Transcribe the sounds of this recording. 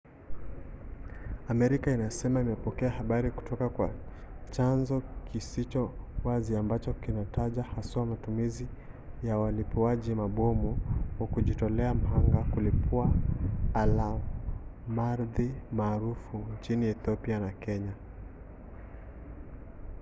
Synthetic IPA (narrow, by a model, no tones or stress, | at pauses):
amɛɾikainasɛmaimɛpɔkɛahaɓaɾiku̥tɔkakwa | t͡ʃanzɔkisit͡ʃɔwaziambat͡ʃɔkinatʰaʄahasamatumizi | jawalipuaʄimaɓɔmuwakuʄitɔlɛam̩ɦaŋɡakulipuaala | maɾðimaːɾufunt͡ʃiniɛθɔpianakɛɲa